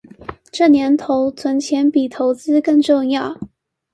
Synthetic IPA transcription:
ʈ͡ʂɤ˥˩njɛ˧˥nt̪ʰo˧˥ʊt͡sʰwə˧˥nt͡ɕʰjɛ˧˥npi˨˩t̪ʰo˧˥ʊt͡sɹ̩˥kɤ˥˧ŋʈ͡ʂʊ˥˧ŋjɑ˥˩ʊ

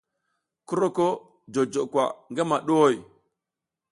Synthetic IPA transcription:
ku˦ɾo˦ko˦ | d͡ʒo˨d͡ʒo˨kʷa̰˨ŋɡa˦ma˨ɗo˦wo˦˨j

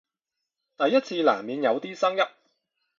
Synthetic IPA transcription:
t̪ɐ˨jːɐ˥t̚t͡sʰiː˧laː˨˩mmiː˨˧njɐ˨˧wt̪iː˥sɐ˥ŋjɐ˥p̚

